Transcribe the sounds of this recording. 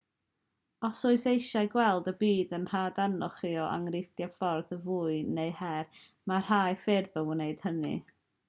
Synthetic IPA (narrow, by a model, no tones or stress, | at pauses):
ɔsʊɨsejʃaɨɡwɛlˠdəbiːdənr̥aːdanɔχiɔʔa̰ŋrɪθd̥jafɔrðəvuːɨneɨhɛr | mar̥aːjfɪrðɔwneɨd̥hənḭ